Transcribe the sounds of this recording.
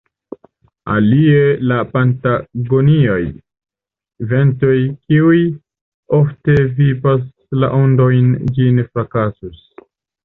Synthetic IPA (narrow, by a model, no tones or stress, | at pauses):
a̰lie̞lapantaɡo̞niaj | ve̞nto̞jkiuj | o̞fte̞vipas | la̰ʔondo̞jnd͡ʒinfɾakasus